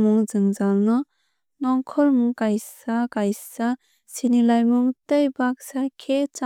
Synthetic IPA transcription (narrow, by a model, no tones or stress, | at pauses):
mɯŋd͡ʒɯŋd͡ʒalnɯ | nɔŋkʰɔlmuŋkajsakajsa | sinilajmɯŋtɯjbak̚sakʰet͡ʃa